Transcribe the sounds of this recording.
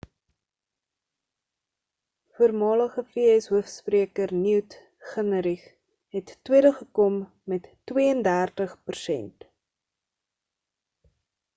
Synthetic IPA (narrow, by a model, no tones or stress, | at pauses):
fuərmɑːləχəfiɛsɦuəfspriəkərniwt | χənəɾiχ | ɦɛtːwiəɾəχəkɔmː | ɛtː | wiəəndæːrtəχpərsɛ̰nt